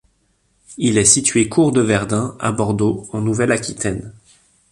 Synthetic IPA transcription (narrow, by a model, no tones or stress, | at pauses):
ilɛsit̪ɥekʰuʁd̪əvɛʁd̪ɛ̃a̰bɔʁd̪oɑ̃nuvɛlakʲit̪ɛn